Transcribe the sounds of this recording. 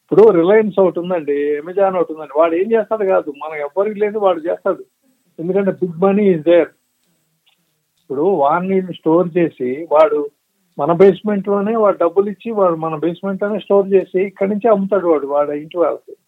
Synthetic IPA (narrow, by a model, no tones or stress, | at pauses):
ipːuɽuɾilajɐns̬ɐwuʈ̪und̪ɐɳɖiemed͡ʒaːnɐwuʈund̪ɐɳɖiʋaːɭe̞ːmt͡ʃɛːst̪aːd̪ikaːd̪umɐnɐɛʋːɐɾikileːniʋaːɭːut͡ʃɛːst̪aːd̪u | e̞nd̪ukɐɳʈe̞ːbiɡ̚mɐniːzd̪eːɾ | ipːuɽuʋaːɾniːlːusʈo̞ːɾt͡ʃe̞ːsiʋaːɽu | mɐnɐbe̞ːsme̞ɳʈlo̞ːne̞ːʋaːɽuɖɐbːulit͡ʃːiʋaːɭumɐnɐbe̞ːsme̞ɳʈlo̞ːne̞ːsʈo̞ːɾt͡ʃe̞ːsiːkːɐɾniɲt͡ʃiɐmːut̪̬aːɽuʋaːɽuʋaːɽɐjiɳʈuʋaːlɐsi